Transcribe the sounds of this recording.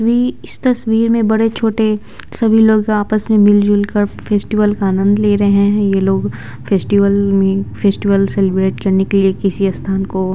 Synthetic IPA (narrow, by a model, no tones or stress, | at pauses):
ʋiːɪst̪ɐsʋiːɾmẽbɐɽet͡ʃʰoːʈe | sɐbʱiloːɡaːpəsmẽmɪld͡ʒʊlkəɾfʰeːsʈiʋəlkaaːnə̃nd̪leːɾɐɦeɦɛ̃jeloːɡ | fʰeːsʈiʋəlmẽfʰeːsʈiʋəlsɛlɪbɾeːʈkɐɾnekeliekɪsiɐst̪ʰaːnko